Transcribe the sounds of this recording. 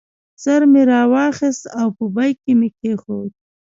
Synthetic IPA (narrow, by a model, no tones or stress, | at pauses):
z̥aɾmeɾɑwɑxɪst̪awpəbajkemekexod̪̚